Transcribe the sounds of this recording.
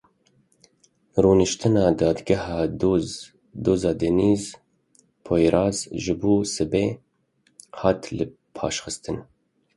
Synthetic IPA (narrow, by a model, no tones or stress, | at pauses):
ruːnɨʃt̪ɨnɑːd̪ɑːd̪ɡɛhɑːd̪oz | d̪oːzɑːd̪ɛniːz | pʰoːjɾɑːzʒɨbuːsɨbeː | hɑːt̪lɨ | pʰɑːʃxɨst̪ɨn